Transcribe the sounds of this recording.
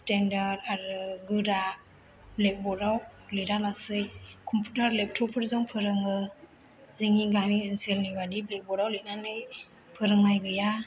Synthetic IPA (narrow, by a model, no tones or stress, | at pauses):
stendaɾdaɾɯɡɯɾa | blek̚bɔɾawlɯɾalasɯjkʰɔmpʰutaɾlep̚tʰɔpʰɯɾzɔŋpʰɯɾɯŋɯ | zɯŋiɡaniɯnselnibadiblek̚bɔɾawlɯnanɯj | pʰɯɾɯŋajɡɯja